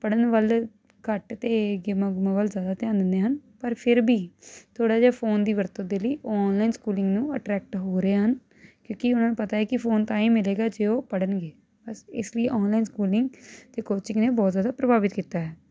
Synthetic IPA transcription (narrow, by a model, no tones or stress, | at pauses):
pəɽənʋəl | kəʈt̪eːɡɪmaːɡɪmãːʋəlzjaːd̪aːt̪eãːnd̪ɪnd̪eːɦənpəɾpʰɪɾbiːt̪ʰoːɽaːd͡ʒaːpʰoːnd̪iːʋəɾt̪əd̪eːləiːɔɔːnlaːiːnskuːlɪ̃ŋɡnũːəʈɾɛːk̚ʈɦoːɾeːɦən | kjõːkɪʊnãːnũpət̪aːɛːkɪpʰoːnt̪ãːĩːmɪleːɡaːd͡ʒeːoːpəɽənɡeː | bəsɪ̰sləiʔɔːnlaːinskuːlɪŋɡt̪eːkoːt͡ʃɪ̃ŋɡneːbɔːt̪zjaːd̪aːpɾəbaːbɪt̪kiːt̪aːɦɛː